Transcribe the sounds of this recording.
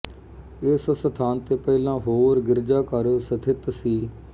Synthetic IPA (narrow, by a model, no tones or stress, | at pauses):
ɪssət̪ʰaːnt̪eːpɛɪlãːɦoːɾɡɪɾd͡ʒaːkəɾoːsət̪ʰɪt̪siː